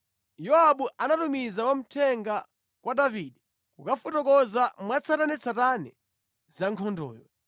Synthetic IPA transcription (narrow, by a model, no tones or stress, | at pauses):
jɔaɓuʔanatumizawam̩tʰɛŋɡa | kwʔadaviːɗɛ | kukafutɔkɔzamwat͡sʰatanɛt͡sʰatanɛ | z̥aŋkʰɔndɔ̰ːjɔ